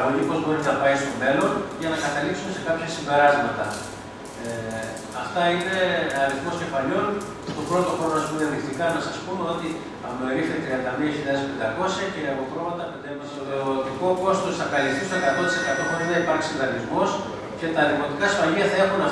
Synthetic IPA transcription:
oɲipo̞zbo̞ɾinɐpɐjst̪o̞me̞lo̞nʝɐnɐkɐt̪ɐliksume̞se̞kɐpçɐsimbe̞ɾɐzmɐt̪ɐ | ɐ̰ft̪ɐine̞ɐɾiθmo̞sce̞fɐʎo̞n | cet̪o̞pɾo̞t̪o̞xɾo̞noɐspuineðikt̪ikɐnɐsɐspumeo̞t̪i | ɐpnoeɾifet̪ɾiɐnd̪ɐmiɐçilʎɐðespe̞nd̪ɐko̞sçɐceɐpopɾo̞mɐnt̪ɐpend̪m | ot̪iko̞ko̞st̪o̞sθɐkɐlist̪ist̪oe̞kɐt̪o̞nt̪i̥sekɐt̪o̞pot̪eðenipɐɾçi̥sind̪ɐnizmo̞s | cet̪ɐðimo̞t̪ikɐːsfɐʎiɐθɐe̞xunɐ

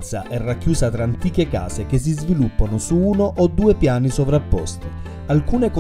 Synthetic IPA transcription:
t̪sa̰ʔɛrːakːjuːzat̪ɾaːnt̪iːk̟eka̰ːzek̟es̬ːizvilupːanosuuːnoʔod̪ːuːepjaːnisovɾapːɔ̰st̪i | alkuːneko

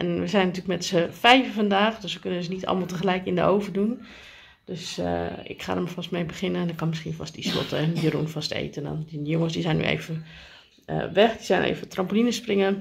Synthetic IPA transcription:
ʔɛnʋəzɛjnːatyːlkmɛtsəfɛjvəfɑndaːxdøsʋəkønənsənitʰɑ̰lˠmalˠtəxəlɛjkɪndəʔoːvərdun | d̥øsɪ̰kχa̰ːdəmafɑstmejbəχɪnənndɔkɑnmɪsxiənfɑst̚dislɔ̰təɛnjərṵnfɑstḛjtəndɔ̰nəjoŋəsdisɛjny̰ʔḛjvə | ə̰ʋɛxdizɛjnʔḛːvətrɑmpəlinəsprɪŋə

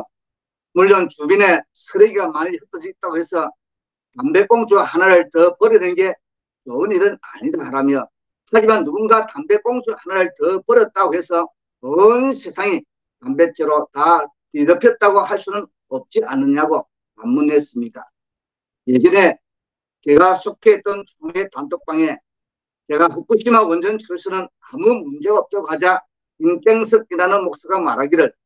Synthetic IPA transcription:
muɭːʌnt͡ɕubine̞sʰɯɾeiɡamaɲihɯt͈ʰʌd͡ʑit͈aɡohesʰʌ | tambe̞k͈oŋd͡ʑuhanaɾɯɭtʌpʌɾinɯnɡe̞ | t͡ɕʌɯniɾɯna̰ɲidaɾamjʌ | had͡ʑimanːuɡunɡatambe̞k͈oŋd͡ʑuhanaɾɯɭtʌpʌɾjʌt̚t͈aɡohe̞sʰʌ | ʌnisʰe̞sʰaŋi | tambe̞t͡ɕ͈eɾota | tidʌpʰjʌt̚t͈aɡohaɭs͈unɯn | ʌp̚t͡ɕ͈iʔanːɯɲaɡo | mamːunes͈ɯmɲida | jed͡ʑʌne̞ | t͡ɕe̞ɡasʰokʰeit̚t͈ʌnt͡ɕoŋe̞tantʰok̚p͈aŋe̞ | t͡ɕe̞ɡaɸɯp͈uɕʰimawʌnd͡ʑʌnt͡ɕʰʌɭsʰɯnɯnamumund͡ʑe̞ɡaʌp̚t͈ʌɡoɦad͡ʑa | ink͈eŋsʰɯk̚inanɯnmok̚s͈ɯɡamaɾaɡiɾɯɭ

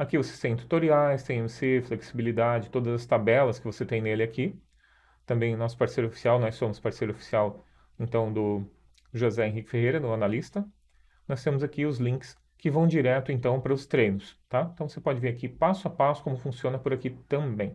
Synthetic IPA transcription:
akivose̥t̪ẽj̃t̪u̥t̪oɾiajst̪ẽj̃õmsefleksibilid̪ad͡ʒɪt̪od̪ɐzɐst̪abɛlɐskɪvoset̪ẽj̃nelɪakʰi | t̪ɐ̃mbẽj̃ʊnɔsʊ̥paɾsejɾofi̥siawnɔsːõmʊspaɾsejɾʊofi̥siaw | ẽnt̪ɐ̃w̃d̪ʊ | ʒozɛẽɦikɪ̥fehejɾɐnʊanalist̪ɐ | nɔst̪ẽmʊzakiʊzlĩkɪ̥s | kɪvɐ̃w̃d͡ʒiɾɛt̪ʊẽnt̪ɐ̃w̃pɾɐʊst̪ɾẽjnʊst̪aẽnt̪ɐ̃w̃vosepɔd͡ʒɪveɾakipasʊapasʊ̥kõmʊfũsiõnɐpʊɾakit̪ɐ̃bẽj̃

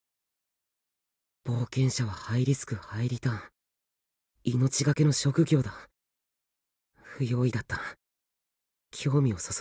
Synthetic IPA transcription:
b̥o̞ːkẽ̞ɰ̃ɕaβ̞ahaiɾʲisɨ̥kɯ̟haiɾʲit̪ã | ino̞t͡ɕiɡake̞no̞ɕo̞kɯ̟ɡʲo̞ːd̪a | ɸɯ̟jo̞ːid̪at̪ːa | kʲʰo̞ːmʲio̞sos

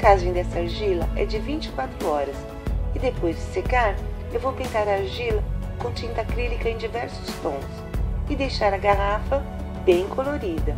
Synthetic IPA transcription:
kazẽd̪ɛsɐaɾʒilɐ̰ʔɛ̰d͡ʒɪvĩnt͡ʃi̥kwat̪ɾʊɔɾɐs | ɪd̪epojzd͡ʒɪsekaɾ | ewvowpẽnt̪aɾɐaɾʒilɐkõt͡ʃĩnt̪ɐkɾilikɐẽj̃d͡ʒivɛɾsʊ̥st̪õs | ɪd̪ejʃaɾɐɡaɦafɐ | bẽj̃koloɾid̪ɐ

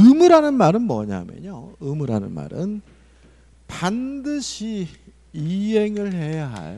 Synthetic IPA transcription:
ɯmuɾanɯnmaɾɯnmʌ̰ɲa̰mḛɲoɯmuɾanɯ̰nma̰ɾɯn | pandɯɕʰi | iɦeŋɯɭɦe̞jaɦa̰j

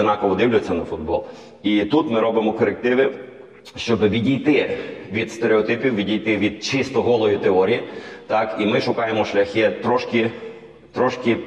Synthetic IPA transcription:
nɑkɔʋɔd̪ɪwlʲʊt͡sʲːɐnɐfʊd̪̚bɔ̰lˠ | it̪ut̪mɪɾɔbɪmɔkɔɾek̚t̪ɪʋɪ | ʃt͡ʃɔbɪʋʲidʲijt̪ɪʋʲid̪st̪eɾeɔt̪ɪpʲiwʋʲidʲijt̪ɪʋʲid̪̚t͡ʃɪst̪ɔɦɔlˠɔjit̪eɔɾʲijit̪ɑkimɪʃʊkɑjemɔʃlʲɐxʲɪt̪ɾɔʃkʲɪ | t̪ɾɔʃkʲɪ

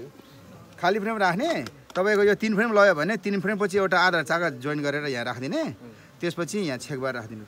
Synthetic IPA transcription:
kʰalipʰremrakʰne | t̪ʌpaĩkojot̪inpʰremlʌjobʱʌnet̪inpʰrempʌt͡sʰiewʈaːd̪ʱart͡sakad͡zojnɡʌɾeɾʌjãɾakʰd̪ine | t̪espʌt͡sʰijãt͡sʰek̚barakʰd̪inu

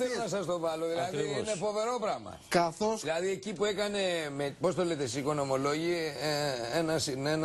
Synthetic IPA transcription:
θelonɐsɐst̪o̞vɐloðilɐðiinefo̞ve̞ɾo̞pɾɐmɐ̰kɐθosilɐðiecipuekɐne̞mepo̞s̬t̪olet̪esikono̞mo̞lo̞ʝi | enɐsinen

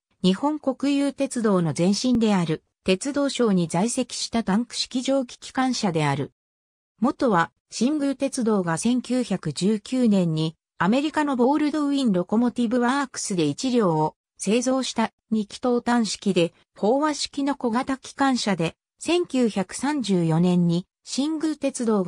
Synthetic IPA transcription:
ɲ̟ihõ̞ŋko̞kɯ̟jɯːt̪e̞t͡sɨd̪o̞ːno̞zẽ̞ɰ̃ɕĩnd̪e̞aɾɯ̟ | t̪e̞t͡sɨd̪o̞ːɕo̞ːɲ̟izaise̞kʲi̥ɕi̥t̪at̪ãŋkɯ̟̥ɕi̥kʲiʑo̞ːɡʲi̥kʲi̥kãɰ̃ɕad̪e̞aɾɯ̟ | mo̞t̪o̞βa | ɕĩmɡɯ̟ːt̪e̞t͡sɨd̪o̞ːɡasẽ̞ŋkʲɨːçakɯ̟d͡ʑɨːkʲɨːnẽ̞ɲ̟ːi | ame̞ɾʲikano̞bo̞ːɾɯ̟d̪o̞ɯ̟ĩnɾo̞ko̞mo̞t̪ʲibɯ̟βaːkɯ̟̥sɨd̪e̞it͡ɕiɾʲjo̞ːo | se̞ːzo̞ːɕi̥t̪a | ɲ̟ikʲi̥t̪o̞ːt̪ãɰ̃ɕi̥kʲid̪e̞ | ho̞ːβaɕi̥kʲino̞ko̞ɡat̪akʲʰi̥kãɰ̃ɕad̪e̞ | sẽ̞ŋkʲɨːçakɯ̟̥sãɲ̟d͡ʑɨːjo̞nẽ̞ɲ̟ːi | ɕĩŋɡɯ̟ɾɯt̪e̞t͡sɨd̪o̞ːɡ

